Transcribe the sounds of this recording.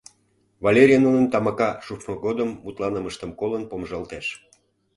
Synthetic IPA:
vɑlʲeɾʲijənunənt̪ɑmɑkɑʃufmoɣod̪əmːut̪lɑnəməʃt̪əmkolənpomʒəlt̪eʃ

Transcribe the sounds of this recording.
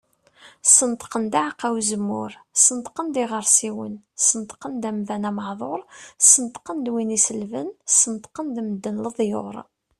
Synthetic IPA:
sənt̪qənd̪aʕqːawzəmːʊɾsənt̪qənd̪ɪʁəɾˤsiwə̰n | sənt̪qənd̪æmðænæməħðˤoɾˤsənt̪qənd̪winisəlvənsənt̪qənd̪məd̪ːənləðˤjo̰ɾˤ

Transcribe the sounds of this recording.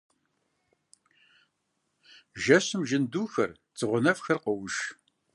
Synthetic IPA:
ʒɐɕɨmʒɪnduːxɐr | t͡sʰʼɨʁʷʊnɐfxɐrqəwʃ

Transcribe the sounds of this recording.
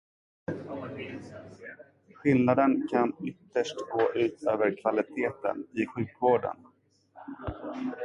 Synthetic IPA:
ɧɪlnad̪ənkʰanʏt̪ːəʂʈɡoːʔʉ̟ːt̪ʰøːvəɾkʰvalɪt̪ʰeːt̪ə̰nɪɧʉ̟ːkvoːɖə̰n

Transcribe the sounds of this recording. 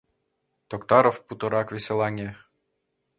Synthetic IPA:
t̪okt̪ɑɾofput̪ɤ̆ɾɑkʋʲesʲelˠɑnʲe

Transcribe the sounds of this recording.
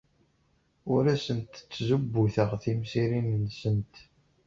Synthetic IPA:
ʊɾæsənt̪t͡sːzubːuθəʁθimsiɾinnsənt̪

